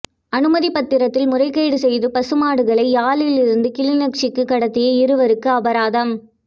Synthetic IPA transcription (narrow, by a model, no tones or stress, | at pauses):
ɐnɯmɐðipɐt̪ːɪɾɐt̪ːɪlmʊrɐɪkːɐjɽɯsɛjðɯpɐsɯmaːɽɯɣɐɭɐɪaːlɪlɪɾɯnd̪ɯkɪɭɪnɐkʂɪkːɯkːɐɽɐt̪ːɪjɐɪɾɯʋɐɾɯkːɯɐbɐɾaːðɐm